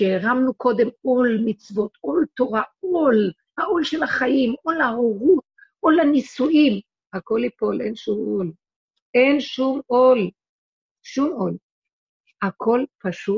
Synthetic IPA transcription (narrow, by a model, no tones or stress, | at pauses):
ʃeeʁamnuko̞d̪emo̞lmit͡svo̞t̪ʔolto̞ʁaol | haʔolʃelaχajimolaoʁut̚ | ʔolanisuʔim | hako̞lipolenʃumol | ʔenʃumol | ʃumol | hakʰo̞lpaʃu